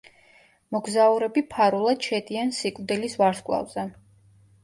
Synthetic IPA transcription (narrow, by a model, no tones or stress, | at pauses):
mɔɡzauɾɛbipʰaɾulˠad̪̥ʃɛd̪iansikʼvd̪ilisvaɾskʼlˠa̰vz̥ɛ